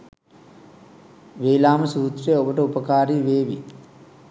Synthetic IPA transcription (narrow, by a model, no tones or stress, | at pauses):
ʋeːlaːməsuːt̪rijəobəʈəupəkaːɾiːʋeːʋi